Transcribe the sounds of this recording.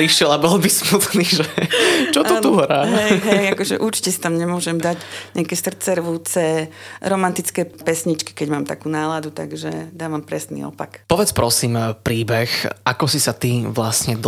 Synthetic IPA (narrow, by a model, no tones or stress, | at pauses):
ɾiʃɪɛlabɔlbismut̪niːʒɛt͡ʃɔɔt̪uɦɾaːmɦɛɦɛjakɔʒɛ̰ʔuɾt͡ʃi̥cɛsi̥t̪amɲɛmʊɔʒɛmd̪aɟɲɪakɛːsr̩t͡sɛɾʋuːt͡sɛɾɔmant̪it͡skɛːpɛsɲit͡ʃki̥kɛɟmaːmt̪a̰kuːnaːlad̪ut̪a̰ɡʒɛd̪aːʋampɾɛsnḭːɔ̰pa̰kpɔʋɛt͡spɾɔsiːmpɾiːbɛxʔakɔsisat̪iʋlasɲɛd̪